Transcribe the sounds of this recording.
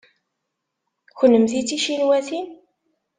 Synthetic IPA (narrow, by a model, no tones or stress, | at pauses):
çənːəmθit͡sːiʃinwæθin